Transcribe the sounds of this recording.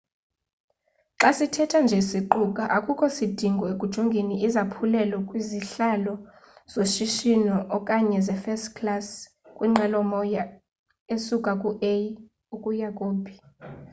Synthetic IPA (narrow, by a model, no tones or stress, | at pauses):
ǁasitʰɛtʰand͡ʒʱesiǃukʼaʔakʼukʰʼɔsid̥ʱiŋɡʱɔekʼud̥ʒ̥ʱoŋɡʱeniizapʰulɛlakʼwiziɬalɔ | z̥oʃiʃinɔʔɔkʼaɲɛzɛfɛstkʰlas | kʼwiŋ͡ǃʱɛlɔmɔja | esukʼakʼuʔej | ukʼujakʼoːbʱi̥